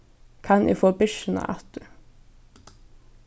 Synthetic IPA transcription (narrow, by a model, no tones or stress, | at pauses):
kʰɑnʔḭːfoːbʏʃənə̰ʔæ̰t̪ʉ